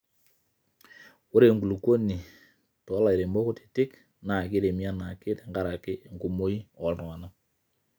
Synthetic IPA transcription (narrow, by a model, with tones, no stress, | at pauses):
o˦ɾe˨ŋɡu˨lu˨ko˦ni˨ | tɔ˨˦la˨i˨ɾe˨mbɔ˦ko˦ti̥˨tɪ˦k | na˨kɪ˦ɾe˨mi˦a˦na˨kɪ˦te˨ŋɡa˦ɾa˨kɪ˦˨ŋɡu˨mo˦i˦ɔ˨ln˨a˨na˦